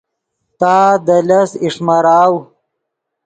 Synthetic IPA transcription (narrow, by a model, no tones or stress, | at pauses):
t̪aːd̪ɐlɐsiʂmɐɾaːw